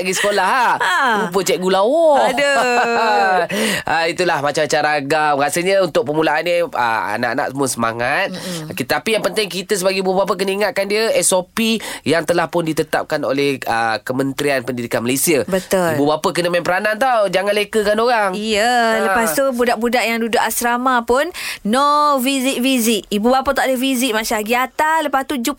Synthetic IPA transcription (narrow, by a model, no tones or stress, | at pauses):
aʔɡisə̥kolaɦalupət͡ʃɛʔ̚ɡulawɔdə | ʔait̪ulahmat͡ʃamt͡ʃaɾaɡamɣasəɲəunt̪ʊk̚pəmulaʔanɲəə̰a̰na̰ʔana̰ʔ̚səmuəsəma̰ŋat̪̚kit̪apijaŋpənt̪ɪŋk̬it̪əsəbaɡibuəbap̬ək̬ənəiŋat̪̚kandiəɛsopijaŋt̪əlahpʊndit̪ət̪a̰p̚kano̰lɛhəkəmənt̪ɾianpəndidikanmalesiabət̪ʊlibubapəkənəmampəɾanant̪̬awd͡ʒaŋanlekəkanoɾaŋijələpast̪ubudaʔbudaʔjaŋdudʊʔasɾamãpʊnnofizɪʔfizɪʔibubapat̪aʔadəfizɪʔmasaɡiat̪aləpast̪ud͡ʒu